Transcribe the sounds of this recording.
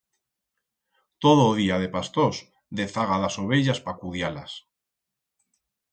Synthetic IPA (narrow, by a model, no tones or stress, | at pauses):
t̪oðoðiaðe̞past̪os | d̪e̞θaɣ̞aðaso̞β̞eʎaspakuðjala̰s